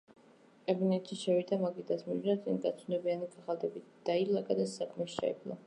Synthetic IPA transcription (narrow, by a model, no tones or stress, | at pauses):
kʼɛbinɛt̪ʃiʃɛvid̪amaɡid̪asmiʒnat̪sʼinɡat̪sʰunɛbianiɡaʁalˠd̪ɛbid̪̥ailˠaɡʼad̪asakʼmɛʃʃa̰ɛ̰blˠa̰